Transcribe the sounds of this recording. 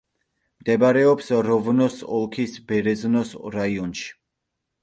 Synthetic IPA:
md̪̥ɛbaɾɛɔpsɾɔvnɔsɔ̰lˠkʰisbɛɾɛznɔsɾaiɔnʃi̥

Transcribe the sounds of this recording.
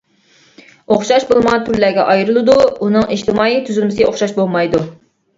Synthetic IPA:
oχʃɑʃbolˠmɑt̪ʰyɾlæɡʲɛ̰ʔɑjɾɨlˠɨd̪uunɨŋiʃt̪ʰɪmɑːit̪ʰyzylmɪsɪoχʃɑʃbolˠmɑjd̪u

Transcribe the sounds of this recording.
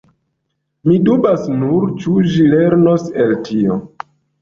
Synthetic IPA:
midubasnuɾt͡ʃuʒile̞ɾno̞seltʰio̰

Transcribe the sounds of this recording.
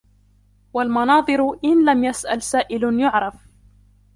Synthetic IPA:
walmɑnɑːd̪ˤɨɾʔɪnlamjasʔalsaːʔɪljʊʕɾˤɑf

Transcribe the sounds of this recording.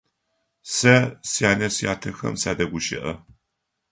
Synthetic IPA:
sɐsijaːnɐsja̰ːtʰɐxɐ̰msaːdɐɡʷʊʃɪ̰ʔɐ

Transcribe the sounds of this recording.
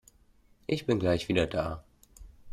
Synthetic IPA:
ʔɪçb̥ɪnɡlaɪçv̥iːdɐdaː

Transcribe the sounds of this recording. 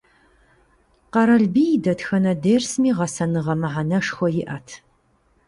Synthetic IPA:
qɐɾɐɮbiːdɐtxɐnɐdeːrsmiːʁɐsɐnɨʁɐmɨʕanɐʂxʷɔjɪʔaːtʰ

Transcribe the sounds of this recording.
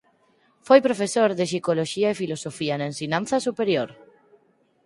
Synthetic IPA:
fojpɾofesoɾðesikoloʃiaefilosofianaensiɲãnθasupeɾjoɾ

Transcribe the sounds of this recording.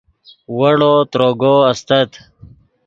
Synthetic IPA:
wɐɽot̪ɾoːɡoɐst̪ɐt̪

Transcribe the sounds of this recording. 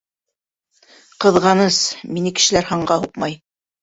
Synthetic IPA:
qɤ̆ðʁɑnɤsminɘkɘ̥̆ʃɘ̆læɾhɑɴɢɑhuqmɑj

